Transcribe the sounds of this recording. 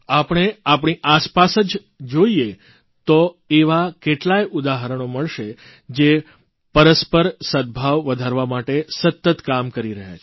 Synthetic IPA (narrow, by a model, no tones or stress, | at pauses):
apəɽ̃eapɳ̃iʔaspasəd͡ʒ | d͡ʒoie | t̪o | eʋakeʈlajʔud̪aɦəɾəɳ̃oməɭʃe | d͡ʒe | pəɾəspəɾsəd̪̚bʱaʋʋəd̪ʱaɾʋamaʈesət̪ːət̪kamkəɾiɾəɦja̰t͡ʃʰe